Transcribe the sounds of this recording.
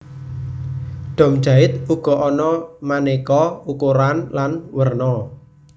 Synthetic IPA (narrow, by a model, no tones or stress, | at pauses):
ɖ̪̥ɔ̤m̥d͡ʒa̤ɪt̪uɡ̥ɔ̤ʔɔnɔmanekɔukuɾanlanwərnɔ